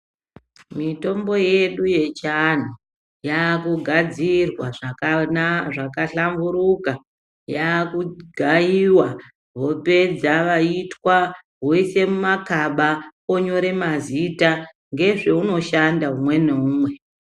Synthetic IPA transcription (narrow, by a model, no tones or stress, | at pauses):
mito̞mbo̞je̞ɗuje̞t͡ʃan̤o | jakuɡʱad͡zirwaʐa | ʐakaɬambuɾuka | jakuɡʱaiwa | ʋo̞pe̞d͡zaʋaitwa | ɦoise̞mumakaɓaoɲo̞ɾe̞mazita | ŋɡe̞ʐe̞uno̞ʃandaumwe̞neuːmwe̞